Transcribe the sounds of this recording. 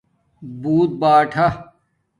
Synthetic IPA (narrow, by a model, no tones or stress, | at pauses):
buːt̪̚baːʈʰɐ